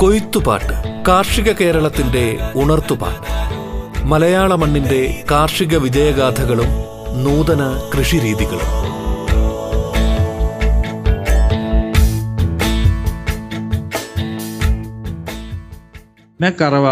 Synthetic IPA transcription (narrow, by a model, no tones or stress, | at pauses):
ko̞jut̪ːupa̰ːʈːɨ̥kaːrʂiɣɐke̞ːɾɐɭɐt̪ːinde̞uɳɐrt̪upa̰ːʈːɨ̥ | mɐlɐjaːɭɐmɐɳːinde̞kaːrʂiɣɐʋid͡ʑɐjɐɡaːd̪ʰʱɐɣɐɭum | nuːd̪ɐnɐkrɨʂiɾiːðiɣɐɭṵm | nɐkɐrɐʋ